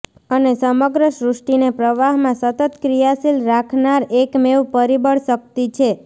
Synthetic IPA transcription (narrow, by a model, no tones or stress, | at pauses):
ənesəməɡɾəʃɾʊʂʈinepɾəʋaɦmãsət̪ət̪kɾijasilɾakʰnaɾekmewpəɾibəɭʃək̚t̪it͡ʃʰe